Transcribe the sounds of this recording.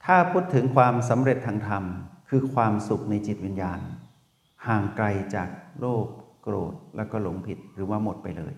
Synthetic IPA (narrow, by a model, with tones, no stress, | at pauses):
t̪ʰaː˥˩pʰuː˥˩t̪ʰːɯ˩˦ŋkʰwaː˧ms̬a˩˦mɾe˨˩t̪ʰːaː˧ŋt̪ʰa˧mkʰɯː˧kʰwaː˧msu˨˩k̚na˧jt͡ɕi˨˩t̪̚wi˧njaː˧n | haː˨˩ŋkla˧jt͡ɕaː˨˩k̚loː˥˩p̚kɾoː˨˩t̪̚lɛ̰ː˦˧˩wkɔː˥˩lo˩˦ŋpʰi˨˩t̪̚ɾɯː˩˦waː˧˥˩mo˨˩t̪̚pa̰˧jlɤ̰ː˧j